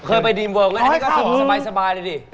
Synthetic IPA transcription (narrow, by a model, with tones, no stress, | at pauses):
kʰɤː˧jp̬a˧jdiː˧mwoː˧˩ŋa˦˥˦kɔ˥˩˨ɔ˩˦sa˧baː˧jsa˧baː˧jla˧˩diː˧˩